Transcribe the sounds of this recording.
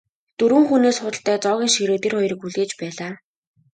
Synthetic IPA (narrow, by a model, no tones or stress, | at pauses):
t̪ɵɾwɘ̆ːŋxuneːsχʊt̪ə̆ɬt̪æːt͡sɔːɣʲiːŋʃiɾoːt̪erχɔjrə̆kuɮɣeːt͡ɕpæːɮaː